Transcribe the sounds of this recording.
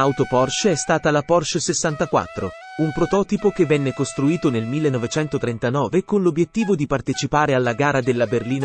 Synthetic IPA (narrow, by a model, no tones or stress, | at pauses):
awt̪opɔrʃɛst̪aːt̪alapɔrʃsesːant̪akwa̰t̪ːɾo̰ | umpɾot̪ɔːt̪ipok̟evːɛnːekost̪ɾuiːt̪onelmilːenːɔvet͡ʃɛnt̪ot̪ɾent̪anɔːvekonlobjet̪ːiːvod̪ipart̪et͡ʃipaːɾealːaɡaːɾad̪elːaberliːna